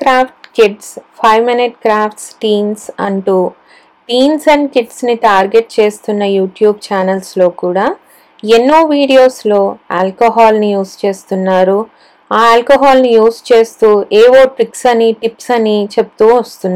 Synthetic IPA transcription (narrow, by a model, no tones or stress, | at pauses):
kɾaːpʰʈkiɖspʰɐjʋminiʈ̚kɾaːpʰʈsʈiːnsɐ̰ɳʈuː | ʈiːnsɐɳɖkiɖsniʈaːɾɡe̞ʈ̚t͡ʃe̞ːst̪unːɐjuːʈjuːb̚t͡ʃaːnɐlslo̞ːkuːɽaː | enːoːʋiːɽijo̞ːslo̞ːa̰ːlkoɦaːlnijuːst͡ʃe̞ːst̪unːaːɾu | aːaːlkoɦaːlnijuːst͡ʃe̞ːst̪uːʔeːʋo̞ːʈɾiksɐniʈipsɐnit͡ʃe̞p̚t̪uːʋɐst̪unːa